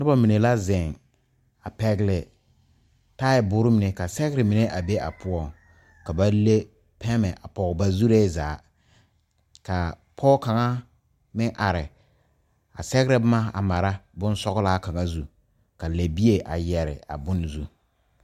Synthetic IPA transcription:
nɪ˦ba˦mi˨ne˨la˦zɪ˨ŋ | a˨pɛ˦ɡlɛ˨ | taː˦ɪ˨bʊ˦ɾɪ˦mɪ˨e˨ka˨sɛ˦ɣɪ˦ɾɪ˨mi˨ne˦ʔa˨be˦ʔa̰˨pʰʊ˦ɔ˦˨ŋ | ka˨ba˦le˦ | pʰɛ˦mɛ˨ʔa˨pɔ˨ba˦zu˦ɾe˦zaː˨˦ | ka˨ | pʰɔː˦ka˨ŋa˦ | mɪ˦ʔa˨ɾɪ˨ | a̰˨sɛ˦ɣɪ˦ɾɪ˦bma˦a̰˨ma˨ɾa˦bʊ˦n˦sɔ˦ɣʊ˦la˦ka˨ŋa˦zu˨ | ka˨le˨bi˦e˨ʔa̰˨jɛ˨ɾɪ̰˨a̰˨bʊ˦n˨zu˦

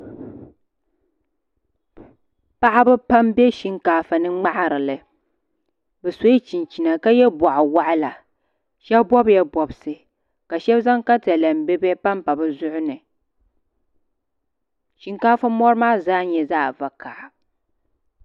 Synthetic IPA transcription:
pa˦ʔa˦bɨ˦pa˦mbɛ˦ʃi˦ŋkaː˦fa˨nɨ˦ŋ͡ma˦ʔa˨ɾɨ˨lɨ˨ | bɛ˨so˦i˦t͡ʃi˨nt͡ʃi˨na˨ka˦jɛ˦bɔ˨ʔʊ˨wa˦ʔa˦la˨ | ʃɛ˦bbɔ˦bjɛ˦bɔ˨bɨ˨sɨ˨ | ka˨ʃɛ˦bza˦ŋka˦ta˨la˨m̩˨bɛ˦bɛ˦pa˦mpa˨bɨ˦zʊ˦ʔʊ˦nɨ˨ | ʃi˦ŋkaː˦fa˦mɔ˦ɾɨ˦maː˦zaː˦ɲɛ˨zaː˦˨va˨ka˨ʔa˨

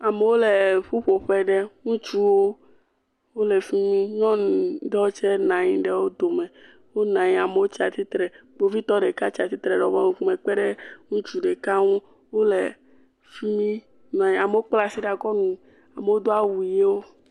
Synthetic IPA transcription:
a˨me˨wo˦le˨ɸu˦ɸo˨ɸɛ˨ɖɛ˦ŋũ˦t͡ʃu˦wo˦ | wo˦le˨fi˦mĩ˦ɲɔ̃˦ndɔ˦o˦t͡ʃɛ˦nã˨ɲĩ˨ɖe˦wo˦d̪o˨mẽ˨ | wo˦nã˨ɲĩ˦a˨me˨wo˦t͡ʃi˦a˨t̪i˦t̪ɾɛ˨ɡ͡bo˨vi˦t̪ɔ˦ɖe˨ka˦t͡ʃi˨a˨t̪i˦t̪ɾɛ˨ɖɔ˨vɔ˦mũ˨ku˦mẽ˨k͡pɛ˦ɖe˦ŋũ˦t͡ʃu˦ɖe˨ka˦ŋũ˦ | wo˦le˨ | fi˦mĩ˦ | nã˨ɲĩ˨a˨me˨wo˦k͡pla˦si˦ɖa˨ɡɔ˦nũ˨ | a˨me˨wo˦d̪o˦a˦wu˨˦e˦wo˦

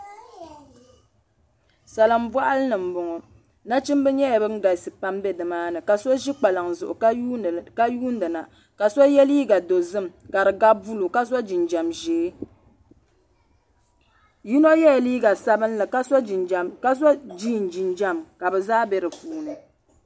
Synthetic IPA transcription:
sa˨la˨m̩˦vwa˦ʔa˦lɨ˦nɨ˨m̩˨bʊ˨ŋɔ˨ | na˦t͡ʃɪ˦m˦bɨ˦ɲɛ˦ja˨bɨ˦ŋ̩˦ɡa˨sɨ˨pa˦mbɛ˦dɨ˨maː˦nɨ˨ka˨sɔ˦ʒi˦k͡pa˨lɨ˨ŋzʊ˨ʔʊ̰˨˦ka˦juː˦n˦dɨ˨na˨ | ka˨sɔ˦jɛ˦liː˦ɡa˨do˨zɨ˦mka˨ɾɨ˨ɡa˦bu˦lu˨ka˦sa˦d͡ʒi˨nd͡ʒa˨mʒeː˨˦ | ji˦no˦jɛ˦jɛ˨liː˦ɡa˨sa˦bɨ˦n˦lɨ˨ka˦sɔ˦˨a˦sd͡ʒi˦˨n˨d͡ʒi˨nd͡ʒa˦mka˨bɛ˨zaː˦bɛ˦ɾɨ˨puː˨nɨ˨

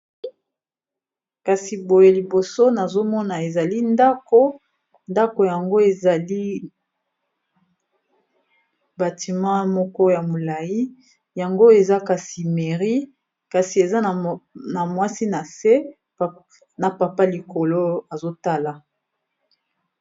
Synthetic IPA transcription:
ka˨si˨bo˨je˨li˨bo˨so˦na˨zo˦mɔ˦na˨e˨za˨li˦nda˦ko˦ | nda˦ko˨ja˨ŋɡo˦e˨za˨li˦ | ba˨ti˨mɑ̃˦mɔ˦kɔ˦ja˨mo˨la˨ji˦ | ja˨ŋɡo˦e˨za˦ka˨si˨me˨ʁi˦ | ka˨si˨e˨za˦˨na˨mwa˦si˦na˨se˦˨ | na˨pa˨pa˦li˨ko˨lo˦a˨zo˦ta˦la˨

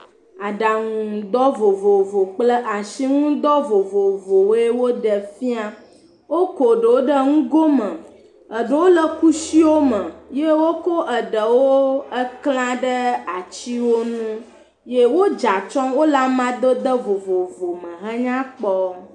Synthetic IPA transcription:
a˨ɖa˨ŋũ˨d̪ɔ˦vo˨vo˨vo˨k͡plə˦ʔa˨ʃi˦ŋũ˦d̪ɔ˦vo˨vo˨vo˨we˦wo˦ɖə˨fi˦a˦ | wo˦ko˨ɖə˨wo˦ɖə˦ŋũ˦ɡo˦mə̃˨ | ə˨ɖə˨˦wo˦lə˦ku˦si˦wo˦mə̃˨je˦wo˦ko˦ʔə˨ɖə˨wo˦ə˦kl̃ã˦ɖə˦a˨t͡ɕi˦wo˦nũ˦ | je˦wo˦d͡ʒa˨t͡ʃɔ̃˦wo˦la˦mã˦d̪ə˦d̪ə˦vo˨vo˨vo˨mə̃˨ɦə˦ɲã˦k͡pɔ˦

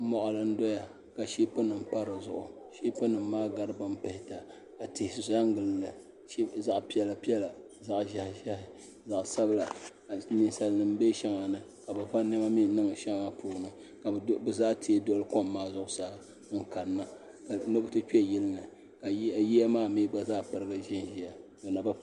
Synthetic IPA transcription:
mɔ˨ʔa˨lɨ˨n̩˦dɔ˦ja˨ | ka˨ʃi˦pɨ˦nɨ˨m˦pa˦ɾɨ˨zʊ˨ʔʊ˨ | ʃi˦pɨ˦nɨ˨mː˦aː˦ɡa˦ɾɨ˦bɨ˦m˦pɛ˨hɪ˦ta˨ | ka˨tɪ˨hɪ˨ssa˦ŋ˦ɡɨ˨llɨ˨ | ʃza˦ʔpi˦ɛ˨la˨pi˦ɛ˦la˨ | za˨ʔʒa˨hʒa˦hɪ˨ | za˨ʔsa˦bla˨ | ni˨n˨sa˨lnɨ˨m˦be˦ʃɛ˦ŋa˨nɨ˨ | ka˨bɨ˨va˦nɛ˦ma˦mi˦nɨ˦ŋ˨ʃa˦ŋaa˦pʰuː˦˨nɨ˨ | ka˨bɨ˨zaː˦ti˨˦e˦dɔ˦lɨ˦ko˦mːaː˦zʊ˦ʔʊ˦sa˦ | ŋ̩˨ka˨nːa˦ | ka˨no˦bɨ˦tɨ˦kjɛ˦lɨ˦nɨ˨ | ka˨ji˦a˦maː˦mi˦ɡ͡ba˦zaː˦pɨ˨ɾɨ˦ɡa˦ʒɪ˦nʒi˨ja˨do˨na˨ba˦

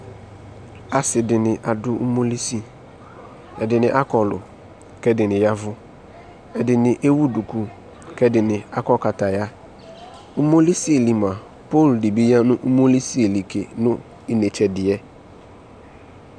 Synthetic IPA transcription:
a˨sɪ˨dɪ˨nɪ̃˨ʔa˨dʊ˦u˦mo˦li˦si˦ | ɛ˨dɪ˨nɪ̃˨ʔa˦kɔ˨lʊ̰˨ | kɛ˦dɪ˨nɪ̃˨ja˦vʊ˦ | ɛ˨dɪ˨nɪ̃˨ʔe˦wu˦du˨ku˦ | kɛ˦dɪ˨nɪ̃˨a˦kɔ˦ka˨ta˨ja˦ | u˦mo˦li˦si˦e˨li˨mã˨ | po˦˨ldɪ˨bi˦ja˦nʊ̃˦ʔu˦mo˦li˦si˦e˨li˨kʰḛ˨nʊ̃˦ | ɪ˨ne˨t͡ʃɛ˨dɪ˨ɛ˦

